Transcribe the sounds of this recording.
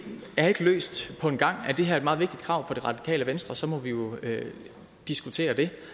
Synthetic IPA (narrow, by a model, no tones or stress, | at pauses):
jɑhɑe̝ɡ̥əlø̰ːsd̥pʰɒ̽e̝nɡ̥ɑ̈ŋ̰æd̥e̝ɦæɐæd̥mɑð̩ˠʋeɡ̥d̥id̥kʰʁɑ̈ʊ̰fɒ̽ɾ̥e̝ʁɑ̈d̥i̥kʰɛ̰ːləʋensd̥ʁɐsɒ̽mɒ̽ʋijo̝ø | d̥isɡ̥ut͡sʰe̝̰ːɐd̥e̝